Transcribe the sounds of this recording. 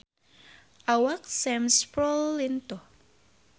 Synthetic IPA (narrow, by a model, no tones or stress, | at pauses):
ʔawak̚sɛmspɾɔlːint̪ɔ